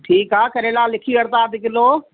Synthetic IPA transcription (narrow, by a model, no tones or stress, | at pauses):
ʈʰiːkɦaːkɐɾeːlaːlɪkʰiəɾt̪aːd̪ɪkɪloː